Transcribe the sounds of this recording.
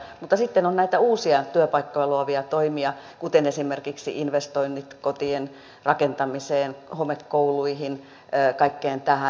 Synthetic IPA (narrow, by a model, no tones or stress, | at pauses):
mut̪ːɑsit̪ːenonnæit̪æuːsiɑt̪yøpɑikːojɑloɑʋiɑt̪oimiɑ | kut̪enesimerkiksḭʔinʋest̪oinːit̪kot̪ien | rɑkent̪ɑmiseːnhomekkouluihinː | kɑikːeːnt̪æhæ